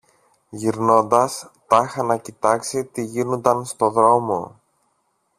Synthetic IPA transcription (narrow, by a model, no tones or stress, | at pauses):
ʝiɾno̞nd̪ɐst̪ɐxɐnɐcit̪ɐksit̪iʝinond̪ɐnst̪o̞ðɾo̞mo̞